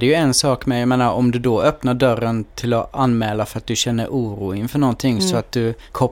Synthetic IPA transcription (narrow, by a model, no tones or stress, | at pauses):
dɛjɵɛnsɑːkmɛjameːnaɾɔmd̪ɵd̪ɔœpnaɖœɾːənt̪ʰɪlɔanːmɛːlafœɾat̪̚d̪ɵɕɛnːəɾʔuːɾuːɪɪŋfœɳɔnt̪ʰɪŋːsɔat̪̚d̪ɵ | kʰɔ